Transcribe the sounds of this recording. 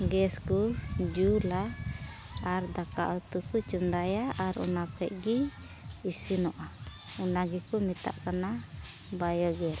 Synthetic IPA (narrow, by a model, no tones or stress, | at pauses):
ɡɛskud͡ʒulaː | ɾd̪aka̰ʔut̪ukut͡ʃund̪ajaaɾṵnapʰɛʔ̚ɡiː | sinɔʔaunaɡikumit̪a̰ʔkana | bajɔɡɛɾ